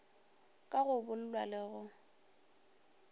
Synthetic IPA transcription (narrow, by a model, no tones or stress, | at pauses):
kʼaɣʊbʊlʊlwalɪɣʊ